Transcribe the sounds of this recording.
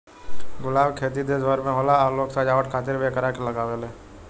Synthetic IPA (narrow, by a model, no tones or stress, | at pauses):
ɡʊlaːbkʰeːt̪id̪ed͡ʒʋəɾmẽɦoːlaɔːɾloːɡsaːd͡ʒaːʋəʈkʰaːt̪ɪɾbeːkɾakelɐɡaːʋeleː